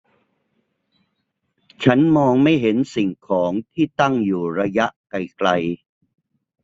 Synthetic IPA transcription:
t͡ɕʰa˦˥nmɔː˧ŋma˥˩jɦe˩˦nsi˨˩ŋkʰɔː˩˦ŋt̪ʰiː˥˩t̪a˥˩ŋjuː˨˩ɾa˧ja˦˥ʔka˧jkla˧j

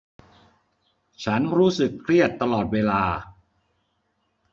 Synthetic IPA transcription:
t͡ɕʰa˦˥nɾuː˦˥sɯ˨˩kʰːɾi˥˩ət̪ːa˧lɔː˨˩t̪̚weː˧laː˧

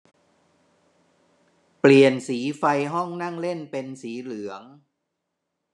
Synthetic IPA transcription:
pli˨˩ənsiː˩˦fa˧jɦɔ˥˩ŋna˥˩ŋle˥˩npe˧nsiː˩˦lɯ˨˩˦əŋ

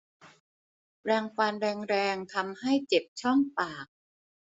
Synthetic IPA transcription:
ɾɛː˧ŋkʰwaː˧nɾɛː˧ŋɾɛː˧ŋt̪ʰa˧mha˥˩jt͡ɕe˨˩p̚t͡ɕʰɔ˥˩ŋpaː˨˩k̚

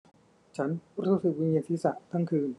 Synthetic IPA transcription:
t͡ɕʰa˦˥nɾuː˦˥˩sɯ˨˩k̚wi˧nhi˧nsiː˦˥sa˨˩ʔt̪ʰa˥˩ŋkʰɯː˧n

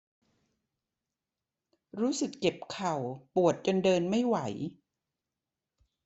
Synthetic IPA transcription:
ɾuː˦˥sɯ˨˩kːe˨˩p̚kʰa˨˩wpu˨˩ət̪̚t͡ɕo˧ndɤː˧nma˥˩jwa˩˦j

